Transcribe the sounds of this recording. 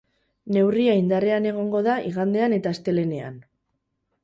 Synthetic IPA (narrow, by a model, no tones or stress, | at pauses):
ne̞wriaind̪areane̞ɣ̞o̞ŋɡo̞ðaʔiɣand̪e̞ane̞t̪aːst̪e̞le̞ne̞a̰n